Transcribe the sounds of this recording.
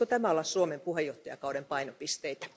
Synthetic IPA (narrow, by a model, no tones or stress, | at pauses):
ot̪æmæolɑssuomempuhejoht̪ːojɑ̰kɑudempɑinopist̪eit̪æ̥